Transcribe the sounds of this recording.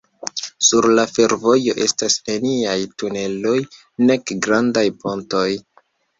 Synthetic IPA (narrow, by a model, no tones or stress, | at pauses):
suɾlafe̞ɾvo̞jo̞ʔe̞stasne̞niajtune̞lo̞j | ne̞kɡɾandajpo̞nto̞j